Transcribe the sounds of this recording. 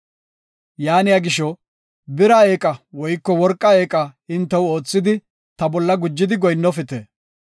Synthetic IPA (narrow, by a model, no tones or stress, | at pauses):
jaːnɪjaɡɪʃɔ | bɪɾɐe̞ːkʼɐwɔjkːɔwɔɾkʼːɐeːkʼɐɪnt̪ːɐwo̞ːt͡sːɪd̪ɪ | t̪ɐbɔlːɐɡʊd͡ʒːɪd̪ɪɡɔjnːɔfɪt̪eː